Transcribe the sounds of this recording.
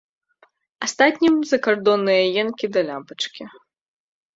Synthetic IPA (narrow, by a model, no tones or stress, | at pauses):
ast̪at̪ʲnʲimzɐkard̪ɔnːɨjɐjɛnkʲid̪ɐlʲapɐt͡ʂkʲi